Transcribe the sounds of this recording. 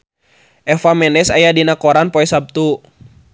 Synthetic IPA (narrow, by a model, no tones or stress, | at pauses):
ʔɛfamɛnɛsajadinakɔɾanpɔɛsab̚t̪u